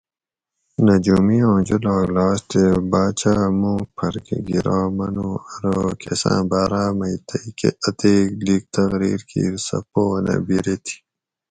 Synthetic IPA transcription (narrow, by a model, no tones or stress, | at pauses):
nɐd͡ʑumijõːd͡ʑulaːɡlaːst̪ebaːt͡ɕamũːk̚pʰɐɾkeɡiɾaːmɐnuːɐɾoːkʰesã̰ːbaːɾaːmɐit̪ɐjkeɐt̪eːkliːk̚t̪ɐɣɾiːɾkʰḭːɾsɐ̰poːnʔɐ̰biɾet̪ʰi̥